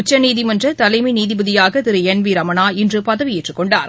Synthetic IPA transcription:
ʊt͡ʃːɐniːðɪmɐndrɐt̪ɐlɐɪminiːðɪbɐðɪjaːɣɐt̪ɪɾɯɛnʋiɾɐmɐnaːɪndrɯpɐðɐʋɪjɪʈrɯkːɔɳɖa̰ːɾ

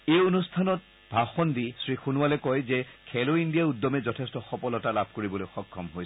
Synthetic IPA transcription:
ejonustʰanɔt̚ | bʱaxɔndisɹixunʊalɛkɔjzɛkʰɛloindijaudːɔmɛzɔtʰɛstɔxɔpɔlɔtalabʱkoɹibɔlojxɔkʰːɔmɦojs

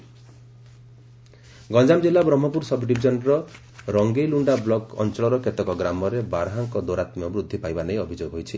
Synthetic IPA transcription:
ɡɔnd͡ʒamd͡ʒilabɾɔm̤ɔpuɾsɔbɖibʱid͡ʒɔnɾɔ | ɾɔŋɡejluɳɖablɔkɔ̰nt͡ʃɔɭɔɾɔket̪ɔkɔɡɾamɔɾebaɾɦaŋkɔd̪oɾat̪miɔbɾud̪ʱːipajbanejɔbʱid͡ʒoɡɦojt͡ʃʰi

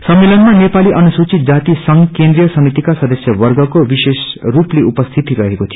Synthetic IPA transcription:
sʌmːelʌnmanepaliʔʌnusut͡sit̪̚d͡zat̪isʌŋɡkend̪ɾijʌsʌmit̪ikasʌd̪ʌsjʌʋʌrɡʌkobisesrupleupʌst̪ʰit̪iɾʌɦekot̪ʰijo

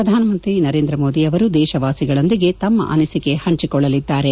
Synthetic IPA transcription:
ɾɐd̪ʱaːnɐmɐnt̪ɾinɐɾe̞ːnd̪ɾɐmo̞ːd̪iɐʋɐɾud̪ɛːʃɐʋaːsiɡɐɭo̞nd̪iɡe̞t̪ɐmːɐ̰ʔɐ̰nɐsike̞hɐɲt͡ʃikɔɭːɐlid̪ːaːɾe̞

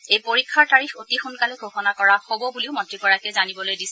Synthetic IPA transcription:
ejpoɹikʰːaɹtaɹixotixunkaleɡʱoxɔnakɔɹaxobɔbuliʊmɔntɹikɔɹakɛzanibɔlojdisɛ

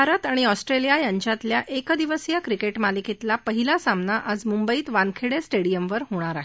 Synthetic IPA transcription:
bʱaɾət̪aɽ̃iɔsʈɾelijajaɲt͡ɕjat̪ljaʔekd̪iʋəsjakɾikeʈmalikit̪lapəɦilasamnaʔad͡zmumbəiːt̪ʋankʰeɽesʈeɽijəmʋəɾɦoɽ̃aɾaɦe

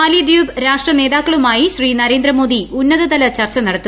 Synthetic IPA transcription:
ɐːlijɐd̪juːbɾaːʂʈrɐne̞ːðaːkːɐɭumaːjiɕriːnɐɾeːnd̪ɾɐmo̞ːd̪iunːɐðɐd̪ɐlɐt͡ɕɐrt͡ɕɐnɐɽɐt̪ːu

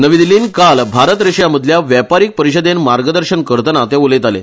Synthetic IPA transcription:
nəʋid̪iliːnkalbʱaɾət̪ɾeɕjaməd̪ʱljaʋjapaɾiːk̚pəɾiɕəd̪enmaɾɡəd̪əɾɕənkəɾt̪ənat̪eʋolet̪alḛ

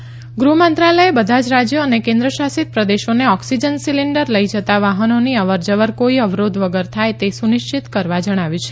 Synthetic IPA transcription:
ɡɾumə̃nt̪ɾaləebəd̪ʱad͡ʒɾad͡ʒjoənekẽnd̪ɾəʃasit̪̚pɾəd̪eʃoneɔksid͡ʒənsiliɳɖəɾləid͡ʒət̪aʋaɦənoniəʋəɾd͡ʒəʋəɾkoiəʋɾod̪ʱʋəɡəɾt̪ʰajt̪esuniʃt͡ʃit̪kəɾʋad͡ʒəɽ̃aʋjũt͡ʃʰe

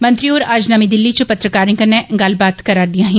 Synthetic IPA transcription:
mɐ̃nt̪ɾioːɾaːd͡ʒnɐmid̪ɪlːit͡ʃəpɐt̪ɾəkaːɾnɪkɐneɡaːlbaːt̪kɐɾaːɾd̪ijãɦɛ̃

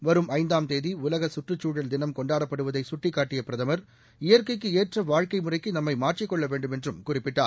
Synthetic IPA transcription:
ʋɐɾɯmɐɪnd̪aːmt̪eːðiʊlɐɣɐsʊʈrɯt͡ʃːuːɽɐld̪ɪnɐmkɔɳɖaːɾɐpːɐɽɯʋɐðɐɪsʊʈrɪkːaːʈːɪjɐpɪɾɐðɐmɐɾ | ɪjɐɾkɐɪk̬ːɯeːʈrɐʋaːɻkɐɪmʊrɐɪkːɯnɐmːɐɪmaːɾt͡ʃːrɪkːɔɭːɐʋeːɳɖɯmɛndrɯmkʊrɪpːɪʈːa̰ː

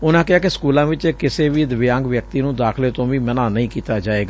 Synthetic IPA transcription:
ʊnãːkɪɦaːkɪsə̥kuːlãːʋɪt͡ʃːkɪseːʋiːd̪əʋjãːŋɡʋjək̚t̪iːnũːd̪aːkʰleːt̪õːʋiːmənãːnəĩːkiːt̪aːd͡ʒaːeːɡaː

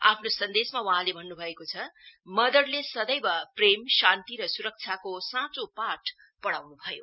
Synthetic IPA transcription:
a̰pʰnosʌnd̪esmawʌɦãlebʱʌnːubʱʌekot͡sʰʌmʌd̪ʌrlesʌd̪ʌjbʌpremsãnt̪iɾʌsuɾʌk̚t͡sʰjakosãt͡sopaʈ | pʌɽawnubʱʌjo

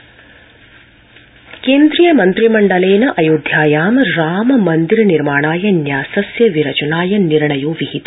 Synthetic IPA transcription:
keːnd̪ɾijɐmɐnt̪ɾimɐɳɖɐleːnɐʔɐjuːd̪ʱjaːjaːmɐɾaːmɐmɐnd̪iɾɐniɾmaːɳaːjɐnjaːsɐsjɐʋiɾɐt͡ʃɐnaːjɐniɾɳɐjuʋiɦit̪

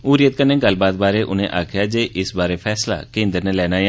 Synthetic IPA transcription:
uːɾɪjət̪̚kənːẽːɡəlbaːt̪̚baːɾeːʔʊ̰nḛ̃ːʔaːkʰjaːd͡ʒeːʔɪsbaːɾeːpʰɛːsla̰ːkẽːnd̪əɾnẽːlɛːnaːje

